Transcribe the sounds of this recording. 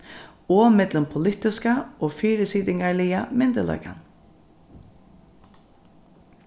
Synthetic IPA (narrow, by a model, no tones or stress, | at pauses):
ɔːmɛt̪lʊmpʰʊlɪt̪ɪskaoːfiːɾəsiːd̪ɪŋɡaɹlɪamɪnd̪əlɔ̰ʏka̰n